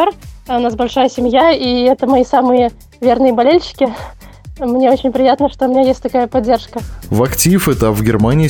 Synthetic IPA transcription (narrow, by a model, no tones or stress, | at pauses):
orʊnas̬bɐlʲʂajəsʲɪmʲjaiɛt̪əmɐisamɨjə | vʲe̞rnɨjəbɐlʲelʲɕɪ̥kʲɪ | mnʲeo̞t͡ɕɪnʲpɾʲɪjat̪nəʂt̪oʊmʲɪnʲajestʲt̪ɐkajəpɐdʲːerʂkəvɐktʲifɨt̪apvɡʲɪrmanʲɪ